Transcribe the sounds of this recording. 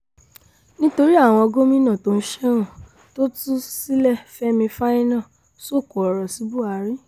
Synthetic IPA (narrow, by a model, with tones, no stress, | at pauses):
nĩ˦to˧ɾi˦a˦˨w̃ɔ̃˧ɔ˧ɡo˦mĩ˦nã˦˨to˧n̩˦ʃɛ˦ɾ̃ũ˦˨ | to˦tu˦si˦lɛ˦˨fɛ˦mĩ˧fa˦nĩ˦nã˦˨ | so˦˨kɔ˨ɔ˨ɾɔ˨si˨˦bu˦a˧˨˦ɾĩ˦